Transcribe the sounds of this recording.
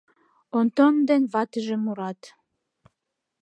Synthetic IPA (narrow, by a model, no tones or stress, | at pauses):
ont̪ond̪enβɑt̪əʒemuɾɑt̪